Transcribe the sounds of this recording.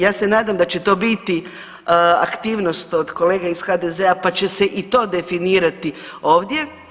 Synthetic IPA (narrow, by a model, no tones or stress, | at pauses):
jaːse̞naːd̪amd̪at͡ɕe̞t̪o̞ːbit̪i | a̰kt̪iːʋno̞st̪o̞d̪ko̞le̞ːɡaiz̥xad̪ezeapat͡ɕe̞seʔit̪o̞ːd̪e̞finiːɾat̪i | o̞ːʋd̪je̞